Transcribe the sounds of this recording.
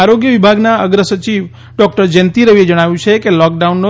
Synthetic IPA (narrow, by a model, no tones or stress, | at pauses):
aɾoɡjəʋibʱaɡnaəɡɾəsət͡ʃiʋ | ɖɔkʈəɾd͡ʒɛnt̪iɾəʋied͡ʒəɽ̃aʋjũt͡ʃʰekelɔk̚ɖaunːo